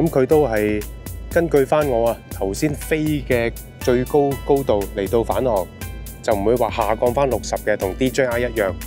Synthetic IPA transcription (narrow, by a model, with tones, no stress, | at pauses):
kɐ˦˥mkʰɵ˨˧ɥt̪o˥wɦɐ˨jkɐ˥nkɵ˧ɥfaː˥nŋɔː˨˧aː˧t̪ʰɐ˨˩wsiː˥nfe˥jkɛː˧ | t͡ʃɵ˧ɥko˥wko˥wt̪o˨wle˨˩jt̪o˧wfaː˨˥nhɔː˨ŋt͡sɐ˨wm̩˨˩wuː˨˧jwaː˨˩haː˨˩kɔː˧ŋfaː˥nlʊ˨k̚sɐ˨p̚kɛː˧t̪ʰʊ˨˩ŋt̪iː˥t͡ʃœ˥ŋaː˧jɐ˥t̚jœː˨ŋ